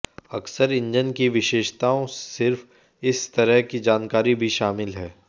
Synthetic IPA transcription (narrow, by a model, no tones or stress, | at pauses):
ɐksəɾɪ̃ɲd͡ʒənkiʋɪʃeːʃt̪aːõsɪɾf | ɪst̪ɐɾəɦkid͡ʒaːnkaːɾibʱiʃaːmɪlɦɛː